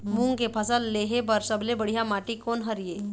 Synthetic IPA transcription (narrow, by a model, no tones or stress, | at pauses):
mũŋɡkepʰəsəlːeːɦepɐɾsɐblebəɽ̤ijamaːʈikoːnɦəɾijeː